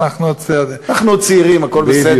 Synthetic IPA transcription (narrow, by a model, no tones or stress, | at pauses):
aχnut͡snaχnut͡siʁimakolbese